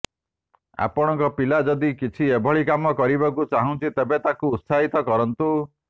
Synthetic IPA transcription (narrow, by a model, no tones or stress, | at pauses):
a̰pɔɽ̃ɔŋkɔpilad͡ʒɔd̪ikit͡ʃʰiebʱɔɭikamɔkɔɾibakut͡ʃaɦũnt͡ʃʰit̪ebet̪akuːt̪sʰaɦit̪ɔkɔɾɔnt̪u